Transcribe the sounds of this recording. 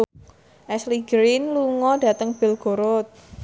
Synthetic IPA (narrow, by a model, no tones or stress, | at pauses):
ʔɛsliɡɾinluŋɔda̤t̪əŋb̥ɪ̤lɡ̥o̤ɾʊt̪̚